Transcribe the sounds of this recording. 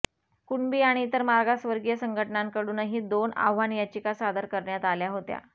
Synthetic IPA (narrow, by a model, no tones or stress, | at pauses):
kuɳbiːaɽ̃iːt̪əɾmaɾɡasʋəɾɡijəsəŋɡʱəʈənaŋkəɽuːnəɦiːd̪ona̰ʋʋanjat͡ɕikasad̪əɾkəɾɳjat̪aljaɦot̪ja̰